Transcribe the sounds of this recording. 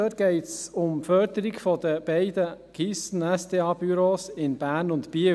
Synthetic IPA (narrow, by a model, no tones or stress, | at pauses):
øːtɡ̥ɛɪtsʊmfœːɾd̪əɾiɡfɔd̪əb̥ɛɪd̪əɡ̥isn̩ɛsteːɑːbyɾoːsɪnb̥æːɾnʊnt̪piə